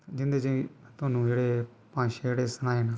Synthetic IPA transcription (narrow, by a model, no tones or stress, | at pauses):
d͡ʒɪnd̪eːd͡ʒit̪ʊaːnũːd͡ʒeːɽeː | pãːʃeːɽeːsənaːeːnaː